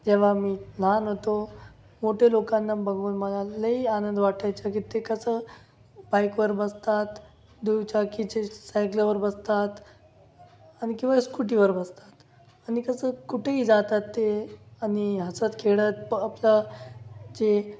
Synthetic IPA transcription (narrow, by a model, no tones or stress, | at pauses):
d͡ʑeʋ̤amiːlanɦot̪o | moʈʰelokãnːabəɡuːnməlaləianənd̪ʋaʈʰajt͡sakit̪ekəsəː | bajkʋəɾbəst̪at̪ | d̪ujʋt͡ɕakit͡ɕesajkləʋəɾbəst̪at̪ | añikĩw̃ʋaskuʈiʋəɾbəst̪ḁt̪ | añikəsəːkuʈʰeɦiːd͡zat̪at̪ːeaniɦəsət̪kʰeɭət̪̚apla | d͡ʑe